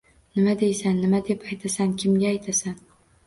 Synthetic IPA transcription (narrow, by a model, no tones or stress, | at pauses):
nɪmad̪e̞jsanːɪmad̪e̞pajt̪ʰasankʲʰɪmɡʲaːjt̪ʰasan